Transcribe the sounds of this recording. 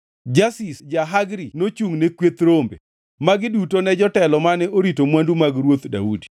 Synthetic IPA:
d͡ʒasisd͡ʒaɦaɡɾinot͡ʃuŋnekwet̪ɾombḛ | maɡɪdutonɛd͡ʒɔtɛlɔmanɛʔoɾitomwandumaɡɾwot̪da̰udi̥

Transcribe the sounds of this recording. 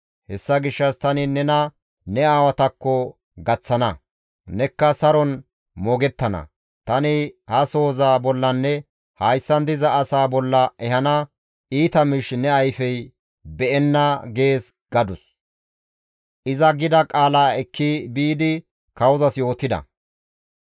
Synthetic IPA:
hɛsːɐɡɪʃːɐst̪ɐnɪnɛnɐ | nɛaːwɐt̪ɐkːɔ | ɡɐt͡sːɐnɐ | nɛkːɐsɐɾɔn | mɔɡɛt̪ːɐnɐ̰ | t̪ɐnɪhɐso̞ːzaːbɔlːɐnːɛ | hɐjsːɐnd̪ɪzɐːsaːbɔlːɐɛɦɐnɐ | iːt̪ɐmɪʃnɛɐjfɛj | bɛʔɛnːɐɡe̞ːs | ɡ̥ɐd̪ʊs | ʔɪzɐɡɪd̪ɐkʼaːlaːɛkʰːibiːd̪ɪ | kɐwzɐsjo̞ːt̪ːɪd̪ɐ̰

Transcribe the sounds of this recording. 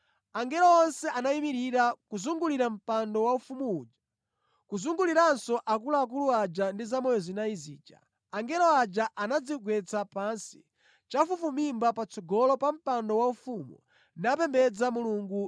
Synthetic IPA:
aŋɡɛlɔɔnsɛʔanaimiɾiɾakuzuŋɡuliɾam̩pandɔwaufumuud͡ʒḁ | kuzuŋɡuliɾansɔʔak̬ulaːk̬uluad͡ʒandizamɔjɔzinaizḭːd͡ʒa̰ | aŋɡɛlɔad͡ʒaʔanad͡ziɡwɛt͡sapansi̥ | t͡ʃafufumimbapat͡sɔɡɔlɔpam̩pandɔwaufumu | nap̬ɛmbɛd͡zamuluŋɡu

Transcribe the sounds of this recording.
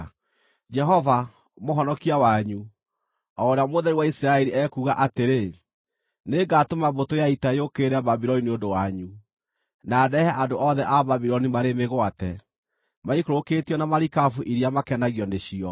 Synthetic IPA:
d͡ʒɛɦɔva | moɦɔnɔkiawaɲu | ɔɾeamoðɛɾiwaisiɾaɛɾiʔɛkuːɣaʔateɾe | neɡatomabotojaitaeokeːɾaβabiɾɔniniondowaɲu | naːdɛhɛʔandoʔɔðɛʔaβaβiɾɔnimaɾemeɣwatɛ | maikoɾokeːtiɔnamaɾikavuʔiɾiamakɛnaɣjɔndeɕiɔ

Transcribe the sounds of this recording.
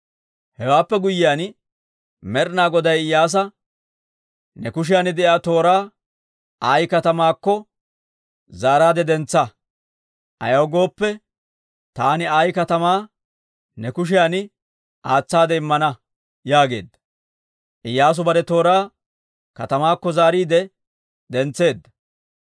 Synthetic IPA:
hɛwaːpːɛɡʊjːɪjaːn | mɛɾnaːɡɔd̪ɐjɪjːaːs̬ɐ | nɛkʊʃ̬ɪjaːnɪd̪ɛʔjaːt̪o̞ːɾaː | ʔaːjkɐt̪ɐmaːkːɔ | zaːɾaːd̪ɛd̪ɛnt͡sːɐ | ʔɐ̰jɐwɡo̞ːpːɛ | t̪aːnɪaːjkɐt̪ɐmaː | nɛkʊʃ̬ɪjaːnɪ | ʔaːt͡sːaːd̪ɛɪmːɐnɐ | jaːɡe̞̰ːd̪ːɐ̥ | ʔɪjːaːs̬ʊbɐɾɛt̪o̞ːɾaː | kɐt̪ɐmaːkːɔzaːɾiːd̪ɛ | d̪ɛnt͡sːe̞ːd̪ːɐ̥

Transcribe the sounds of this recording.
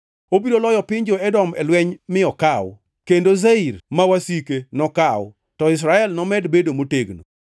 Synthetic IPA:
obiɾolɔjɔpɪɲd͡ʒoɛdɔmɛ̰lwɛɲmɪɔkaw | kendozeiɾmawasikenɔkaw̰ | tɔɪs̬ɾaɛlnɔmɛdbedomoteɡno̰

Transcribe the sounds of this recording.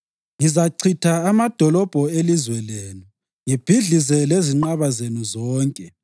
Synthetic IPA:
ŋizaǀʰitʰaːmad̥ʱɔlɔb̥ʱɔelizwɛleːnu | ŋib̥ʱiɮizɛleziŋ͡ǃaβazenuzɔːŋkʼɛ

